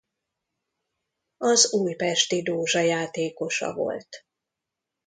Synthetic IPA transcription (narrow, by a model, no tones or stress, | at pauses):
ɒzuːjpɛʃt̪id̪oːʒɒjaːt̪eːko̞ʃɒ̰vo̞̰lt̪